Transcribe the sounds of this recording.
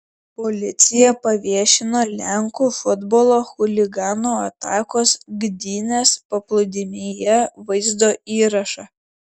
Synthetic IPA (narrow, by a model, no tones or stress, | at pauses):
pɔlʲɪt̪sʲɪjɛpɐʋʲiɛʃʲɪnoːlʲɛŋkuːfʊd̪bɔlˠoːxʊlʲɪɡɑːnoːɐt̪ɑːkoːsɡd̪ʲiːnʲeːspɐplˠʊd̪ʲɪmʲeːjɛʋɐɪzd̪oːiːɾɐʃɑː